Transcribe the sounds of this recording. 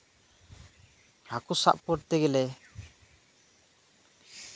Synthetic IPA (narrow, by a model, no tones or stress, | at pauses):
ɾakusa̰ʔpɔʈt̪ɛɡɛlɛ